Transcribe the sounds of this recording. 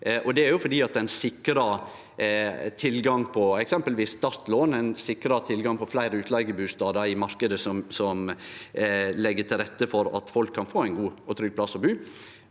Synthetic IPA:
ʔɔd̪ɛæɾjʊfɔɖiːɑt̪̚d̪ɛæɪnsɪkɾɑ | t̪ʰɪlɡɑŋpʰɔɛksɛmpəlʋiːsːt̪ɑɾt̪loːnæɪnsɪkɾɑt̪ʰɪlɡɑŋpʰɔflæɪɾəʉːt̪lɑɪɡəbʉːst̪ɑːd̪əɪmɑɾkəd̪əsɔmsɔm | lɛɡːət̪ʰɪlɾɛt̪ːəfɔɾɑ̰t̪fɔlkʰːɑnfoːæɪnɡuːɔt̪ʰɾʏɡ̚plɑsɔbʉː

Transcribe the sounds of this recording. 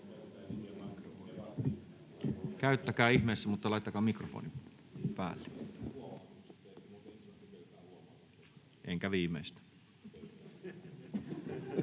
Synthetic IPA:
kæyt̪ːækæːihmeisːæmut̪ːɑlɑˑit̪ːɑkɑːmikrofo̰ni | pæ̰ːlːe | ʔḛŋkæʋiːmeist̪æ̥

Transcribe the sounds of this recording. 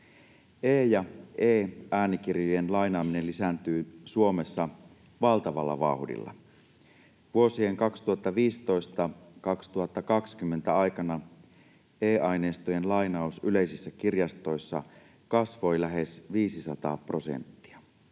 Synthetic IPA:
eːjɑeːʔæːnik̟irjojenlɑinɑːminelisænt̪yːsuo̞me̞sːɑ | ʋɑlt̪ɑʋɑ̰lːɑ̰ʋɑ̰hdḭlːɑ̰ | ʋuo̞sie̞ŋkɑkst̪uhɑt̪ːɑʋiːst̪o̞jst̪ɑkɑkst̪uhɑt̪ːɑkɑkskymːe̞nt̪æɑjkɑnɑ | eːʔɑjneːst̪ojenlɑjnɑosyleisisːækirjɑst̪o̞jsːɑ | kɑsʋo̞jlæɦe̞sʋiːsisɑt̪ɑ̰ːpro̞sḛnt̪ːi̥ɑ

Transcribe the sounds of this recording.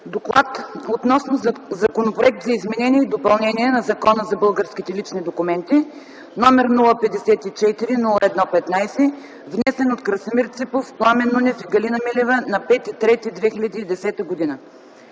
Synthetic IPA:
d̪oklˠat̪ot̪nɔsnozɐkonopɾoʊɛk̚t̪zɐizmɛnɛnʲiɛid̪opɐlˠnɛniɛnɐzɐkɔnəzɐbɤlˠɡəɾsk̟ʲit̪ɛlit͡ʃnid̪okʊmɛnt̪i | nɔmɛɾnulˠəpɛd̪ɛsɛt̪it͡ʃɛt̪iɾinulˠəɛd̪nɔpɛt̪najsɛ | vnɛsɛnot̪kɾɐsɐmiɾt̪sipofplˠamɛnːunʲɛfiɡɐlinɐmilɛvənɐpɛt̪it̪ɾɛt̪id̪vɛxilʲɐd̪iːd̪ɛsɛt̪əɡod̪inə

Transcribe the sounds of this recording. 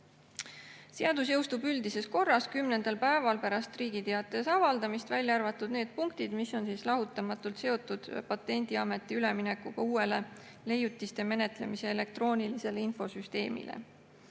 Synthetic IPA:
se̞ɑd̪̥us̬jɤwst̪ubyld̪ise̞sko̞rːɑskymne̞nd̪̥ɑlpæevɑlpæɾɑst̪riːɡit̪eɑt̪ːˑe̞sɑvɑld̪ɑmist̪vælʲːjɑɑrvɑt̪ːˑud̪̥ne̞ːd̪̥̚puŋk̚t̪id̪̥misːo̞nsiːslɑɦut̪ːˑɑmɑt̪ːˑult̪se̞o̞t̪ːˑud̪̥pɑt̪ːˑe̞nʲd̪̥iɑme̞t̪ːˑiyle̞mine̞kːˑuɡ̥ɑuːe̞le̞ | le̞jut̪ˑːist̪e̞me̞ne̞t̪ˑle̞̰mise̞ele̞k̚t̪ro̞ːnʲilise̞leinfo̞syst̪e̞ːmḭlḛ

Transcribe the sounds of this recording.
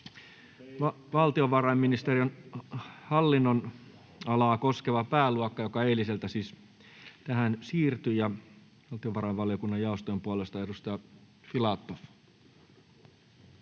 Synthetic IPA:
ʋɑlt̪ioʋɑrɑjmːinist̪erion | hɑlːinːon | ɑlɑːko̞skeʋɑpæːluɑkːɑjokɑeiliselt̪æsiːs | t̪æɦænsiːrt̪yjjɑ | ʋɑlt̪ioʋɑɾɑjʋʋɑlijokunːɑjjɑost̪oempuolest̪ɑedust̪ɑjɑ | filɑt̪ːof

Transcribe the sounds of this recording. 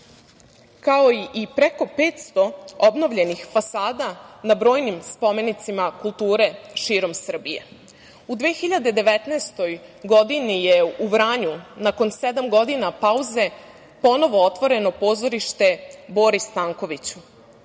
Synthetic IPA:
kao̞iʔipɾeko̞pe̞ːt̪st̪o̞obno̞ʋʎe̞nixfasaːd̪anabɾo̞ːjnimspo̞me̞nit̪simakulˠt̪uːɾe̞ʃiːɾo̞msr̩bije̞ | ud̪ʋeːxiʎad̪ed̪e̞ʋe̞t̪naːst̪o̞jɡo̞d̪inijeuʋɾaːɲunako̞nsed̪amɡo̞d̪inapauze̞ | po̞no̞ʋoot̪ʋo̞ɾe̞no̞po̞ːzo̞ɾiʃt̪e̞bo̞ɾist̪aːŋkoʋit͡ɕu̥

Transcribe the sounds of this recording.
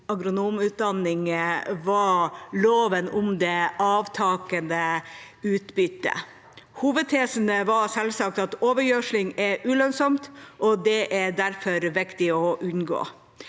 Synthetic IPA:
ɑɡɾʊnuːmʉːt̪̚d̪ɑnːɪŋʋɑloːʋənʊmd̪ɛɑːʋt̪ʰɑːkənd̪ə | ʉːt̪bʏt̪ːə̰ | huːʋəd̪̚t̪ʰeːsənəʋɑsɛlsɑk̚t̪ɑt̪oːʋəɾjøʂlɪŋɛʔʉːlœnsɔmt̪ʔɔd̪ɛʔæd̪æɾfɔɾʋɪkt̪ɪɔʔʉnɡo̰ː

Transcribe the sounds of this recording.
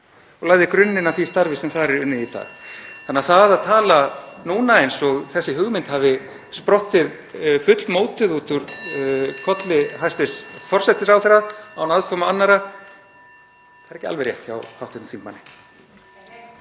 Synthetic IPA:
ɔɣlaːɣðɪkɾʏnːɪnaθist̪aɾvɪsɛmθaɾɛɾʏnːɪðit̪ʰa̰lθanːɛaθaðaðt̪ʰaːlanuːnaejnsɔɣθɛsːɪɦʏɣmɪnt̪havɪ | spɾɔht̪ɪð | fʏt̪lmoːwt̪ɪðuːt̪ʏɾ̥ | kʰɔt̪lɪɦajst̪ɪsfɔr̥sɛt̪ɪɾawθɛɾaðawnaðkʰɔːmaanːaɾa | θaðɛɾɛhcɪalvɛɾjɛ̰ht̪ça̰whawht̪ʏhnθimma̰nːɪ

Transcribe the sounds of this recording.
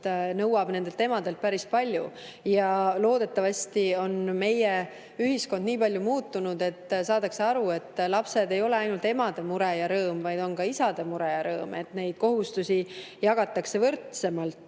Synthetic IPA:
nɤwɑb̥ne̞nd̪e̞lt̪e̞ːmɑd̪e̞lt̪̚pæɾispɑlʲju | jɑlo̞ːd̪e̞t̪ːˑɑvɑsʲt̪io̞nme̞je | yɦisko̞nd̪niːpɑlʲjumuːt̪ːˑunud̪e̞t̪ːsɑːd̪ɑkseɑɾue̞t̪ːˑlɑpse̞d̪e̞jo̞le̞ɑjnult̪e̞mɑd̪̥e̞muɾejɑɾɤːmvɑjd̪̥o̞nkɑisɑd̪̥e̞muɾe̞jɑɾɤːme̞t̪ne̞jd̪̥̚ko̞ɦust̪usʲijɑɡ̥ɑt̪ːˑɑkse̞vɤrt̪se̞mɑlt̪ːˑ

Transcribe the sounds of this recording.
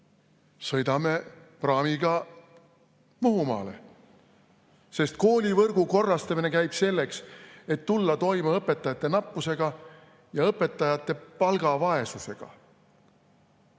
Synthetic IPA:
sɤ̞jd̪ɑme̞ | prɑːmiɡ̥ɑ | muɦumɑ̰ːlḛ | se̞st̪̚ko̞ːlʲivɤrɡ̥uko̞rːɑst̪ɑmine̞kæjb̥se̞lːe̞kse̞t̪ːulːɑt̪o̞jmeɤpːe̞t̪ːˑɑjɑt̪ːˑe̞nɑpːuse̞ɡ̥ɑ | jɑɤpːˑe̞t̪ːˑɑjɑt̪ːˑe̞pɑlɡ̥ɑvɑe̞suse̞ɡ̥ɑ̰

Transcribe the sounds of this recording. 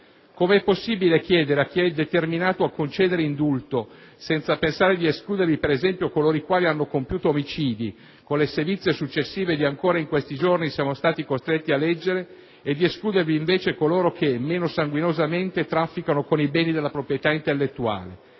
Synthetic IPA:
komeɛpːosːiːbilek̟jɛːd̪eɾeak̟ːiɛd̪et̪erminaːt̪oakːont͡ʃeːd̪eɾeind̪ult̪o | sɛnt̪sapensaːɾed̪ieskluːd̪ervipeɾezɛmpjokoloːɾikwaːlianːokompjuːt̪oːmit͡ʃiːd̪i | konlesevit̪sjesut͡ʃːesːiːved̪iaŋkoːɾaiŋkwest̪id͡ʒornisiaːmost̪aːt̪ikost̪ɾet̪ːialːɛd͡ʒːeɾe | ed̪ieskluːd̪erviːɱveːt͡ʃekoloːɾokʰemːeːnosaŋɡwinozament̪et̪ɾafːikanokonibɛːnid̪elːapɾopɾijet̪aint̪elːet̪ːua̰ːle

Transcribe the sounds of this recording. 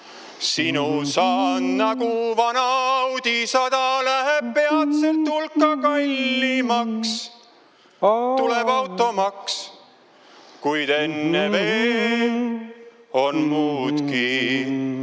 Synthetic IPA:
sinusɑːnnɑɡuvɑnɑɑwd̪̥isɑd̪ɑlæɦeb̚pe̞ɑt̪selt̪ːulkːˑɑkɑlʲːimɑks | t̪ule̞bɑwt̪ːˑo̞mɑks | kujd̪̥e̞nːeveː | o̞nmuːd̪̥ki

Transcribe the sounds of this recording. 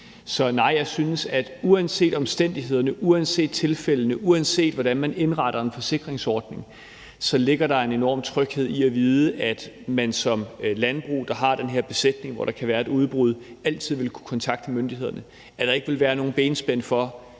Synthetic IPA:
sɒ̽nɑ̈ɪ̰jɑ̈ɪsynəsæd̥uænse̝̰ːd̥ɒ̽msd̥en̰d̥iɦe̝ð̞̰ˠɐnəʔuænse̝̰ːd̥̚t͡sʰe̝lfel̰ənəʔuænse̝̰ːd̥ʋɒɾ̥ænmæne̝nʁɑ̈ɾ̥ɐe̝nfɒ̽se̝ɡ̥ʁeŋsɒːd̥ne̝ŋ | sɒ̽le̝ɡ̥ɐɾɑ̈e̝ne̝nɒ̰ːmt͡sʰʁœɡ̥he̝ð̞̰ˠiæʋiːð̞ˠəʔæd̥mænsɒ̽mlænb̥ʁṵːd̥ɑ̈ɦɑ̈d̥enɦe̝ɐ̰b̥e̝sed̥ne̝ŋʋɒ̰ɾ̥ɑ̈kʰæʋæːɐe̝d̥uð̞ˠb̥ʁuð̞ˠæl̰t͡sʰið̰ˠʋe̝lkʰu̥kʰɒ̽nt͡sʰɑ̈ɡ̥d̥əmønd̥ihe̝ðˠɐnə | æd̥ɑ̈e̝ɡ̥əʋe̝lʋæːɐno̝ːn̩b̥eːnsb̥en̰fɒ̽

